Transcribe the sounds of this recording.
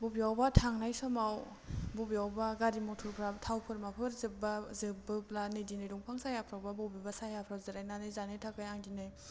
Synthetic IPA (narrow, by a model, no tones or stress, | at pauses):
bɔbijawbatʰaŋnajsɔmaw | bubiawbaɡaɾimɔtʰuɾpʰɾatʰawpʰɯɾmapʰɯɾzɯbazɯbɯplanɯjdinɯjduŋpʰaŋsajapʰɾawbabɔbibasajapʰɾawzɯɾajnanɯzanetʰakajaŋdinɯj